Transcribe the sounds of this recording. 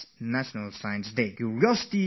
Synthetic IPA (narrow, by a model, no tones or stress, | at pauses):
næʃənəlsajə̃nsdekjuɹiɔsi̥ti